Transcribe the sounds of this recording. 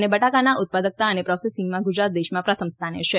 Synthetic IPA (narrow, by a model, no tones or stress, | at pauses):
nebəʈakanaʔʊt̪̚pad̪ək̚t̪aənepɾɔsesĩŋɡmãɡud͡ʒɾat̪̚d̪eʃmãpɾət̪ʰəmst̪ʰanḛʃʰe